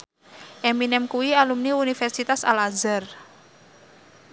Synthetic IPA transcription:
ʔɛminɛmkuwialumniunifɛrsit̪asa̰lazar

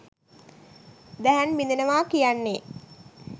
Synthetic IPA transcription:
d̪æɦænmind̪enəʋaːkijanːe

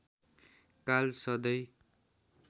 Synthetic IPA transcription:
kalsʌd̪ʌj

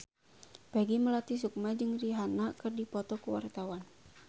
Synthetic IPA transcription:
b̥aɡiməlat̪is̬uk̚mad͡ʒɨŋdiɦanakɨrdipɔt̪ɔkuwa̰rt̪awan

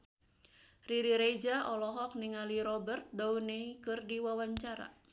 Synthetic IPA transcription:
riɾiɾed͡ʒaʔɔlɔɦɔk̚niŋaliɾɔbərt̪̚dauneikɨrdiwawaɲt͡ʃaɾa̰

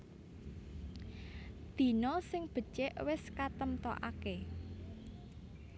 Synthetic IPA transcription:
d̪̥i̤nɔsɪŋb̥ə̤t͡ʃeʔwɪskat̪əmt̪ɔ̰ʔa̰ke

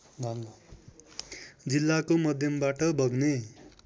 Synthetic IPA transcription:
d͡zilːakomʌd̪ʱjʌmbaʈʌbʱʌɡne

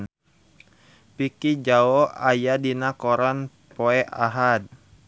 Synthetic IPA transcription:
pikid͡ʒaɔajadinakɔɾan | pɔɛʔa̰ɦad̚

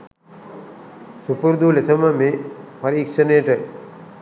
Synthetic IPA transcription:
supuɾd̪ulesɐmɐmepɐɾiːkʂɐneːʈə

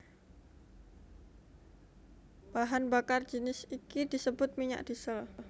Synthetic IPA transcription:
b̥aɦanbakard͡ʒənɪsikidisəbʊt̪̚miɲa̰ʔd̥isəl

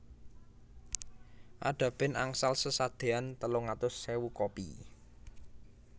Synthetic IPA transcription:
ʔaɖ̥ä̤b̥ɪna̰ŋsalsəsad̪̥e̤ant̪əlʊŋat̪ʊsːewukopḭ

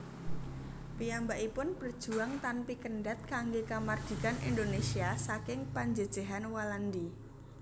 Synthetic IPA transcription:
piambaʔipʊnpərd̥ʒ̥ṳaŋt̪anpikənɖat̪̚kaŋɡekamard̪̥i̤kanind̪onesiasakɪŋpaɲd͡ʒəd̥ʒ̥eɦanwaland̪i

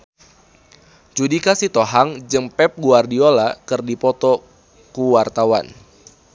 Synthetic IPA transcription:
d͡ʒudikasit̪oɦaŋd͡ʒɨŋpɛp̚ɡuardiolakɨrdipɔt̪ɔ | kuwart̪awa̰n

